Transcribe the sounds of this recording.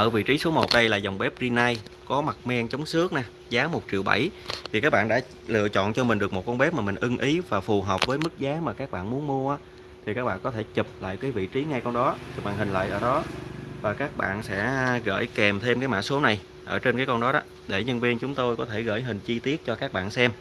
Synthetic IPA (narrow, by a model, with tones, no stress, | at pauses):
ʔəː˧˩vḭ˧˨t͡ɕi˨˦su˨˦əmo˨˩t̚ɗə˧jlaː˨˩za˨˩wŋ͡mɓɛ˦˥p̚zi˧naː˧jkɔ˨˦ma˨˩t̚mɛ˧ŋt͡ɕə˨˦wŋ͡msɨ˦˥ək̚naː˨˩ | zaː˨˦mo˨˩t̚t͡ɕi˨˩əwɓa̰˧˩jt̪ʰi˨˩kaː˦˥k̚ɓa̰ː˧˨nɗa̰ː˧˥ | lɨ̰˧˨ət͡ɕɔ̰˧˨nt͡ɕɔ˧mi̟˨˩ɗɨ˨˩ək̚mo˨˩t̚kɔ˧nɓɛ˦˥p̚maː˨˩mï˨˩ŋ̟ʔɨ˧ŋʔi˨˦vaː˨˩fu˨˩ɦəː˨˩wp̚vəː˨˦jmɨ˦˥k̚zaː˨˦maː˨˩kaː˦˥k̚ɓa̰ː˧˨nmu˨˦ənmu˧əʔaː˨˦ | t̪ʰi˨˩kaː˦˥k̚ɓa̰ː˧˨nkɔ˨˦t̪ʰe˧˩t͡ɕi˨˩p̚la̰ː˧˨jkaː˨˦jvḭ˧˨t͡ɕi˨˦ŋa˧jkɔ˧nɗɔ˨˦i˨˩ɓa̰ː˧˩nhï˨˩ŋ̟la̰ː˧˨jʔəː˧˩ɗɔ˨˦vaː˨˩kaː˦˥k̚ɓa̰ː˧˨nsɛ̰˧˥ɣə̰ː˧˩jkɛ˨˩mt̪ʰe˧mkaː˨˦jma̰˧˥so˨˦na˨˩j | ʔəː˧˩t͡ɕe˧nkaː˨˦jkɔ˧nɗɔ˨˦ɗɔ˨˦ | ɗe˧˩ɲə˧nvi˧ənt͡ɕʊ˨˦ŋ͡mt̪o˧jkɔ˨˦t̪ʰe˧˩ɣə̰ː˧˩jɦï˨˩ŋ̟t͡ɕi˧t̪i˦˥ət̚t͡ɕɔ˧kaː˦˥k̚ɓa̰ː˧˨nsɛ˧m